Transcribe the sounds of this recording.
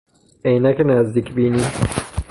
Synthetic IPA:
ejnækʰʲenæzd̪iːcʰbiːni

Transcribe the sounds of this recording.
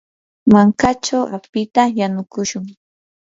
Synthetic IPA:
maŋkat͡ʃawa̰pɪt̪ajanʊkʊʃʊŋ

